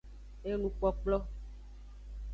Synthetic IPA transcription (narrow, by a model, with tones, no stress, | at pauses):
e˦nũ˨k͡pɔ˦k͡plɔ˦